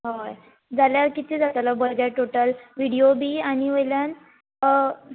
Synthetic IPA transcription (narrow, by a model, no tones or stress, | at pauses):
ɦoj | d͡zaljaɾkit̪ʰed͡zat̪alabəɾɡaʈoʈəlʋiɽijobiːaɽ̃iʋəjljan